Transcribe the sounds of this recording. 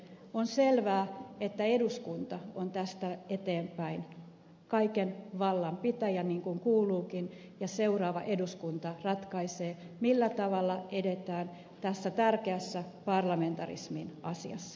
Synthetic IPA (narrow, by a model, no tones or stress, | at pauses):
onselʋæːet̪ːæeduskunt̪ɑont̪æst̪æet̪eːmpæin | kɑikenʋɑlːɑmpit̪æjæniːŋkuŋkuːluːkin | jɑseurɑːʋɑʔeduskunt̪ɑrɑt̪kɑiseː | milːæt̪ɑʋɑlːɑʔedet̪æːn | t̪æsːæt̪ærkeæsːæpɑrlɑme̞nt̪ɑrḭsminʔɑsḭɑ̰sːɑ̥